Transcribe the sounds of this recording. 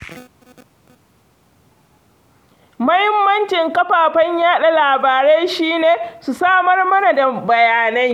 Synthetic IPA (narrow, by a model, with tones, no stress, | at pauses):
mɐ˦hɪ˦mːɐ˦nt͡ʃɪ˨ŋkɐ˦ɸaː˨ɸɐ˦ɲjaː˦ɗa˨laː˨baː˨ɾe˦ʃiː˦neː˨su˨saː˦mɐ˦rmɐ˦na˨da˨bɐ˨jaː˨nɐ˦j